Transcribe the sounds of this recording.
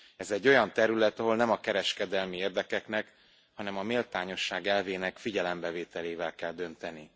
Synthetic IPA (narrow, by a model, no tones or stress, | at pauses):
ɛzɛɟːo̞jɒnt̪ɛɾylɛt̪ɒɦo̞lnɛmɒkɛɾɛʃkɛd̪ɛlmieːrd̪ɛkɛknɛk | hɒnɛmɒmeːlt̪aːɲo̞ʃːaːɡɛlveːnɛkfiɟɛlɛmbɛveːt̪ɛleːvɛlkɛld̪ø̞nt̪ɛni